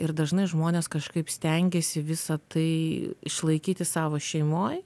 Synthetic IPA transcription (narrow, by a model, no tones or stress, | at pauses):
ɪɾd̪ɐʒnɐɪʒmoːnʲeːskɐʃkɐɪpsʲt̪ʲɛŋʲɡʲesʲɪʋʲɪsɐt̪ɐɪɪ̰ʃlˠɐɪkʲiːt̪ʲɪsɑːʋoːʃʲɛɪmoːj